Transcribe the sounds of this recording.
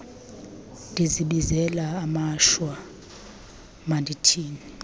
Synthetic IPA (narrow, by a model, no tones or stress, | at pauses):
ndʱiziɓizɛlaːmaʃwa | mandʱitʰiːni